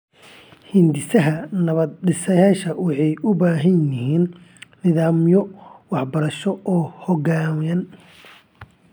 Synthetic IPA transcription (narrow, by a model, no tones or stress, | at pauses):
hɪnd̪ɪsɐɦɐnɐβɐd̪̚ɖɪsɐjaːʃɐwɑħɑjʊbaːɦɐnjɪɦiːnː | ɪðaːmjɔwɑħbɐɾɐʃɔɔːhɔɣaːmjɐn